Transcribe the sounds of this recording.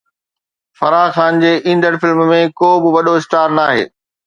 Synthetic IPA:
fɐɾaːxaːnd͡ʑeːʔĩːnd̪əɽ̃fɪlmmẽkoːbɪʋɐɗoɪsʈaːɾnaːɦḛː

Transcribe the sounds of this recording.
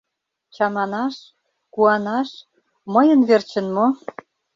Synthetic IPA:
t͡ɕɑmɑnɑʃ | kuɑnɑʃ | məjə̆nβert͡ɕə̆nmo

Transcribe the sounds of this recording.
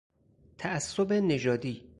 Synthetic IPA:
t̪ʰæʔːsːobene̞d͡ʒɒːd̪iː

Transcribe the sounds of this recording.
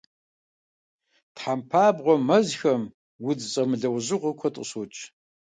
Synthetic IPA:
tħampʰaːbʁʷɔmɐzxɐm | wʊd͡zt͡sʼɐmɨɮɐwʑɪʁʷɔkʷʰɔtʼə̰ɕʊt͡ʃʼ

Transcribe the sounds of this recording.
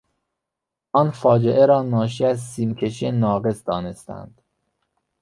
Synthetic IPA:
ʔɒːnfɒːd͡ʒeʔeɾɒːnɒːʃ̬iæzsiːmcʰe̞ʃienɒːɣe̞sd̪ɒːne̞st̪æ̰nd̪̥

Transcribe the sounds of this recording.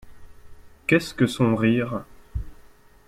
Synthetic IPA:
kɛskəsɔ̃ʁiːʁ

